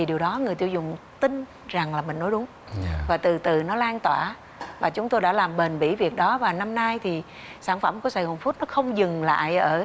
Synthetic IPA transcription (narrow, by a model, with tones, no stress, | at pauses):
i˨˩ɗi˨˩əwɗɔ˨˦ŋɨ˨˩əjt̪ḭ˧˩wzʊ̰˧˨ŋ͡mt̪ï˧n | za˨˩ŋlaː˨˩mï˨˩ŋ̟nɔ˨˦ɗʊ˨˦ŋ͡m | vaː˨˩t̪ɨ˨˩t̪ɨ˧˨˩nɔ˨˦laː˧nt̪waː˧˩ | vaː˨˩t͡ɕʊ˨˦ŋ͡mt̪o˧jɗa̰ː˧˥laː˨˩mɓe˨˩nɓḭ˧˥vi˨˩ək̚ɗɔ˨˦vaː˨˩na˧mna˧jt̪ʰi˨˩ | saː˧˩nfə˧˩mku˧˩əsaː˧˩jho˨˩nfu˦˥t̚nɔ˨˦xə˧wŋ͡mzɨ˨˩ŋla̰ː˧˨jʔəː˧˩